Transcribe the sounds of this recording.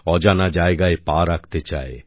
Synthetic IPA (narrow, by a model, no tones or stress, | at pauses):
ɔd͡ʒanad͡ʒaeɡaepaɾakt̪et͡ʃa̰e